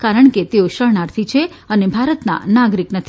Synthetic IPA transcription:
kaɾəɳket̪eoʃənaɾt̪ʰit͡ʃʰe | ənebʱaɾət̪na̰naɡɾiknət̪ʰi

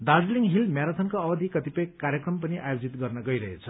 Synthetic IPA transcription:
d̪ad͡zliŋɦilmjaɾat͡s̪ʰʌnkoʌbʌd̪ʱikʌt̪ipʌjkaɾjʌkrʌmpʌniʔajod͡zit̪ɡʌrnʌɡʌjɾʌɦet͡sʰʌ̥

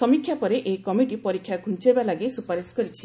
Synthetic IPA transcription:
sɔmikʰjapɔɾeʔekɔmiɖipɔɾikʰːjaɡʱunt͡ʃebalaɡesupaɾeskɔɾit͡ʃʰi̥

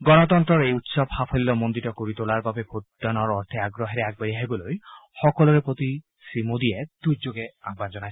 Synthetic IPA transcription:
ɡɔnɔt̪ɔnt̪ɾɔɹejut̪sɔbhapʰɔlilɔmond̪itɔkoɾit̪olaɹbabepʰotdanɔɹɔɾt̪ʰɛaɡɾɔɦɛɾeaɡ̚baɾiaɦibɔlojxɔkɔlɔɾepɹot̪i | simod̪iɛd̪̥ujd͡ʒoɡɛaɡ̚band͡ʒɔnajs

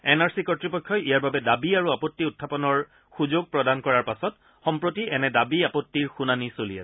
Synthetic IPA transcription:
ɛnaɹsikɔtɹipɔkʰːɔʔijaɹbabɛdabiaɹuapɔtːiʊtʰːapɔnɔɹ | xuzoɡ̚pɹɔdankɔɹaɹpasɔt | xɔmpɹotiʔɛnɛdabiapɔtːiɹxunanisolia̰sɛ

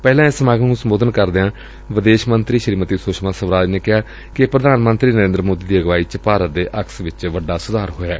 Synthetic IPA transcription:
pɛːlãːɪsəmaːɡənũsəmboːd̪ənkəɾd̪eãː | ʋɪd̪eːʃmənt̪ɾiːʃəɾiːmət̪iːsʊːʃmaːsəʋɾaːd͡ʒneːkɪɦaː | kɪpɾəd̪aːnmənt̪ɾiːnəɾeːnd̪ɾəmoːd̪iːd̪iːəɡʋaːiːt͡ʃəpaːɾət̪̚d̪eːʔəksʋɪt͡ʃʋəɖːaːsʊd̪aːɾɦoːjaː

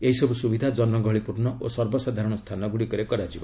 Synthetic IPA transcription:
eisɔbusubid̪ʱad͡ʒɔnmɔɡʱɔɭipuɾnɔʔosɔɾbɔsad̪ʱaɾɔɽ̃ɔst̪ʰanɔɡuɽikɔɾekɔɾad͡ʒiba

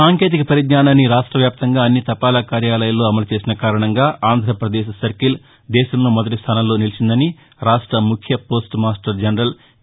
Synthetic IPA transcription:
saːŋke̞ːt̪̬ikɐpɐɾid̪naːnaːnːiɾaːʂʈɾɐʋjaːp̚t̪ɐŋɡaːɐnːit̪ɐpaːlɐkaːɾjaːlɐjɐlːo̞ːɐmɐlut͡ʃe̞ːsinɐkaːɾɐɳɐŋɡaːʔaːnd̪ʱɾɐpɾɐd̪eːʃsɐɾkil | d̪ɛːʃɐmloːmɔd̪ɐʈ̬ist̪ʰɐːnɐlːo̞ːnilit͡ʃind̪ɐni | ɾaːʂʈɾɐmukʰjɐpo̞ːsʈmaːsʈɐɾd͡ʒɐnɐɾɐl

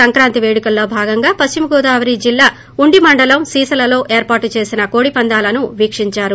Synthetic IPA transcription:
ɐŋkɾaːnt̪iʋe̞ːɽikɐlːo̞ːbʱaːɡɐŋɡaːpɐst͡ʃimɐɡoːd̪aːʋɐɾiːd͡ʒilːaː | uɳɖimɐɳɖɐlɐmsiːsɐlɐlo̞ːʔe̞ːɾpaːɾʈːt͡ʃe̞ːsinɐko̞ːɽipɐnd̪aːlɐnuʋiːkʂiɲt͡ʃaːɾu

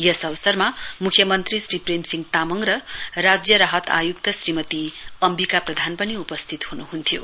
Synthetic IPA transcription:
jʌsʌʋʌsʌrmamukʰjʌmʌnt̪risripremsiŋt̪amʌŋɾʌrad͡zjʌɾaɦʌt̪a̰jukt̪ʌsrimʌt̪iʌmbikaprʌd̪ʱanpʌniupʌst̪ʰit̪hunuɦunt̪ʰjo

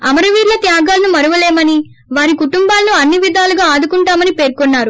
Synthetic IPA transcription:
ɐ̰mɐɾɐʋiːɾlɐt̪jaːɡaːlɐnumɐɾuʋɐleːmɐni | ʋaːɾikuʈumbaːlɐnuɐnːiʋid̪ʱaːlɐɡaːaːd̪ukuɳʈaːmɐnipe̞ːɾkonːaːɾu

